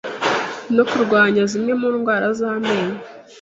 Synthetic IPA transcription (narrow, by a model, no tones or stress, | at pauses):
nokuɾɡwaːɲazimŋe̞muːnɡwaːɾazaːmeːna